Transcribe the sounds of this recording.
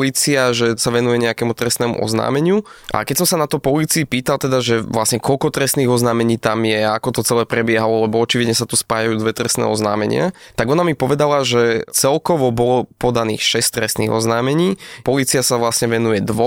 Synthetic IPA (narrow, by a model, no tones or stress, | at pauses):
liːt͡siaʒɛsaʋɛnujɛɲɛakɛːmut̪ɾɛsnɛːmṵʔɔ̰zna̰ːmɛɲɪuʔa̰kɛcsɔmsanat̪ɔpɔliːt͡siːpiːt̪alˠt̪ɛd̪aʒɛʋlasɲɛkɔlkɔt̪ɾɛsniːɣɔznaːmɛɲiːt̪amjɛakɔt̪ɔt͡sɛlɛːpɾɛbɪɛɦalɔlɛbɔɔt͡ʃiʋid̪ɲɛsat̪uspaːjajuːd̪ʋɛt̪ɾɛsnɛ̰ːɔzna̰ːmɛɲɪa̰t̪aɡɔnamipɔʋɛd̪alaʒɛt͡sɛlkɔʋɔbɔlɔpɔd̪anḭːxʃɛst̪ɾɛsnḭːɣɔ̰znaːmɛɲiːpɔliːt͡siasaʋlasɲɛʋɛnujɛd̪ʋɔ